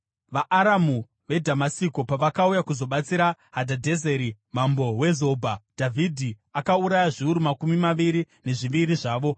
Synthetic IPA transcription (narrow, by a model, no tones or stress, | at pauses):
ʋaʔaɾamu | ʋe̞dʱamasikopaʋakaujakuzo̞ɓat͡siɾaɦadʱadʱe̞zeɾi | mambo̞we̞zo̞bʱadʱavʱidʱi | akauɾajaʐiuɾumakumimaʋiɾi | ne̞ʐiʋiɾiʐaːʋo̞